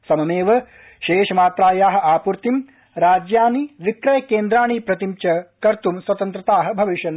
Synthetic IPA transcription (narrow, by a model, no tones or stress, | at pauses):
sɐmɐmeːʋɐ | ʃeːʃɐmaːt̪ɾaːjaːɦɐ̆aːpuɾt̪im | ɾaːd͡ʒjaːniʋikɾɐjɐkeːnd̪ɾaːɳiːpɾɐt̪imt͡ʃɐkɐɾt̪umswɐt̪ɐnt̪ɾɐt̪aːɦɐ̆bʱɐʋiʃjɐn